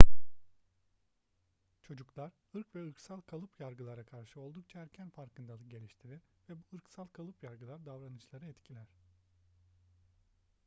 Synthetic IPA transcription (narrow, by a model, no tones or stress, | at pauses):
t͡ʃʰo̞d͡ʒuklˠaɾ | ɯɾkvɛɯɾksalˠkʰalˠɯpjaɾɡɯlˠaɾakʰaɾʃɯo̞lˠd̪uk̚t͡ʃʰaæɾcʰænfaɾkɯnd̪alˠɯɟe̞lʲiʃt̪ʰiɾiɾ | vɛbuɯɾksalˠkʰalˠɯpjaɾɡɯlˠaɾd̪avɾanɯt͡ʃlˠaɾɯɛt̪cʰilʲæɾ̝̥